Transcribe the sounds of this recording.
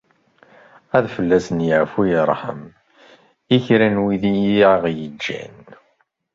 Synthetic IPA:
æðfəlːæsənjəʕfujəɾˤħə̰m | içɾænwiðijiaʁjəd͡ʒːæ̰n

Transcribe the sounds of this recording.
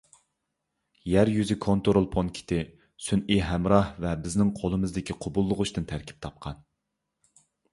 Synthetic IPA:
jæɾjyzɪkʰont̪oɾolˠpʰonkʲʰi̥t̪ʰɪ | syniɦæmɾɑhvɛbɪznɪŋqʰolˠɨmɨzd̪ɪkʲʰiqʰobulˠːʊʁʊʃt̪ɨnt̪ʰæɾkʲʰi̥p̚t̪ʰɑp̚qʰɑn

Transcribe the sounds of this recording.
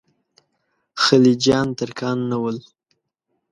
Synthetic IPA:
xəlid͡ʒɑnt̪əɾkɑnːawəl

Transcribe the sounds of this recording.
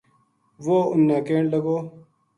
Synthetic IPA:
ʋoːʊnːãːkeːɳləɡoː

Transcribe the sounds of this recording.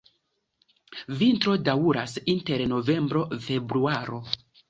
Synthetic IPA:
vintɾo̞dauɾasinte̞ɾno̞ve̞mbɾo̞fe̞bɾuaɾo̞

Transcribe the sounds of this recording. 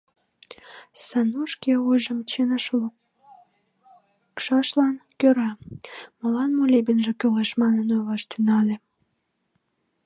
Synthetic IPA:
sɑnuʃkeujʒəmt͡ɕenʃ | kʃɑʃlɑnkøɾɑməlɑnmulʲibənʒĕkølɑʃmɑnənojlɑʃt̪ynɑle

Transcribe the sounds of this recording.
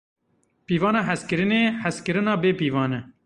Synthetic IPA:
piːvɑːnɑːɦɛskɨɾɨneːhæskɨɾɨnɑːbeːpiːvɑːnɛ

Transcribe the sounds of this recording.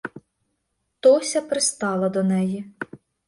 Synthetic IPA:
t̪ɔsʲɐpɾɪst̪ɑlˠɐd̪ɔnɛji

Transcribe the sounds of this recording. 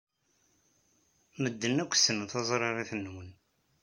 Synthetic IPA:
məd̪ːənːækʷːsənθɑzˤɾˤɑɾˤiθnːwən

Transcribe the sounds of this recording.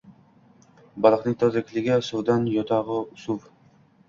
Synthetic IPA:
bɑlˠɨqnɪŋt̪ʰɒzakʲʰlɪɡʲasuwd̪anjɒt̪ʰɑʁɨʊsuv

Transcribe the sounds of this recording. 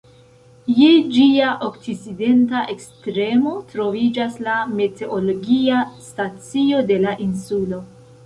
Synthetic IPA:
jed͡ʒiaʔoktiside̞ntaʔe̞kstɾe̞mo̞tɾo̞vid͡ʒaslame̞te̞ʔolo̞ɡiastat͡sio̞de̞laʔinsulo̞

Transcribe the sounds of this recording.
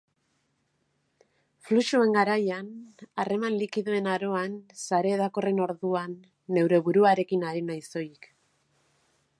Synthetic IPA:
fluʃue̞ŋɡaɾajanare̞manlikiðue̞naɾo̞ansaɾe̞ːðako̞re̞no̞ɾðuanː | e̞wɾe̞βuɾuaɾe̞kinaɾinajso̞jik

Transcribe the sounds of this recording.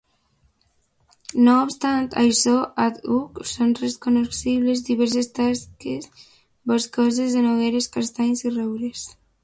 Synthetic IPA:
noːpst̪ant̪a̰jsɔʔat̪uksonreskonosiβlezd̪iβɛɾs̬est̪askes | boskɔz̬ezðenoɣeɾeskast̪aɲsirɛwɾes

